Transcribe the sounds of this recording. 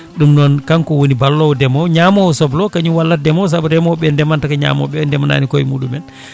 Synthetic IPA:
ɗumnɔnkankɔwonibalːɔwdɛmɔwɲamɔwsɔblɔkaɲuwalːat̚dɛmɔws̬abɔdɛmɔɓɛndɛmantakaɲa̰ːmɔ̰ɓɛndɛmana̰nikojimuːɗumɛn

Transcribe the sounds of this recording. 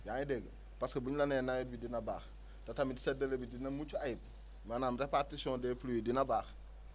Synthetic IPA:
jaːidɛɡə | pɐskɐbuɲlɐnɛnajit̚bidinɐbaːx | tɐtɐmidi̥sɛdɐlebidinɐmut͡ʃuajip̚ | manaːmrɛpartisɔ̃ːndɛpluwidinɐbaːx

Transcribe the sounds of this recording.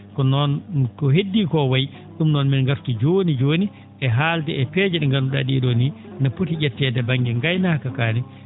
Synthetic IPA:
kɔnɔnkɔɦedːikɔwaj | ɗumnɔnminŋɡaftud͡ʒoːnid͡ʒoːni | ʔɛɦaːltɛɛpɛːd͡ʒɛɗɛŋɡanuɗaɗiɗoni | naputid͡ʒɛtːɛdɛbaŋɡɛŋɡajnakakaːnɛ

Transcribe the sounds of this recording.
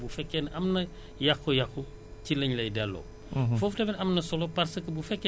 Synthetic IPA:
bufɛkːɛnɐmnɐ | jɐxujɐxu | cilɐɲlɐjdɛlːɔ̰ː | fɔftɐmɛnɐmnɐsɔlɔpɐɾsɐkːəbufɛkː

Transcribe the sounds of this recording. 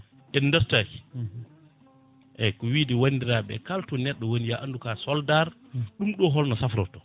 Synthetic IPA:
ʔindɔstaki | ʔɛkɔwidiwandiɾaɓɛ̰kaltɔnɛɗːɔwonijaʔandukasɔldaɾ | ɗumɗɔɦɔlnɔsafɾɔtɔ

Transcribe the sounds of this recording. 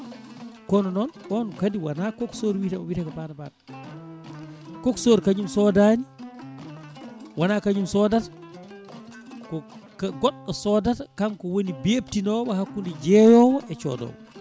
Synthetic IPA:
kɔnɔnɔnʔɔnɔkadiwanakoksoɾwitamɔwitakabanabada | koksoɾkaɲumsɔdani | wanakaɲumsɔdatḁ | kɔkaɡɔɗːɔsɔdatakamkɔwonibep̚tinɔbaɦakːundid͡ʒɛjɔwɔʔɛt͡ʃɔ̰dɔ̰wɔ

